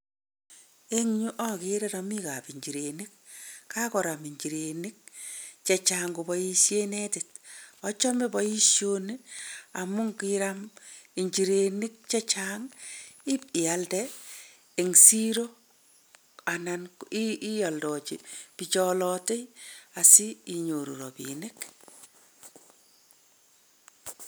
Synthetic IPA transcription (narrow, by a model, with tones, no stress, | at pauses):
e˦ŋɲu˦ʔɔ˦ki˨ɾɛ˦ɾa˨mi˦ka˨pi˨ɲd͡ʒi˨ɾe˨ni˦k̚ːa˦kɔ˨ɾa˨mi˨ɲd͡ʒi˨ɾe˨ni˦k̚t͡ʃet͡ʃaŋɡu˨bɔ˨ji˦ʃje˦ne˦tɪt̚ɔ˦t͡ʃɔ˦me˦bɔ˦ji˦ʃjo˦ni˦a˨mʊ˦ŋkiɾami˨ɲd͡ʒi˨ɾe˨ni˦k̚t͡ʃe˦t͡ʃaŋi˦pi˨aldɛː˨ | ŋsi˦ɾo˦ | a˨nanii˦jɔ˨ldɔt͡ʃipit͡ʃɔlɔte˦jasiː˦˨ɲo˨ɾṵ˨ɾɔbḭnɪk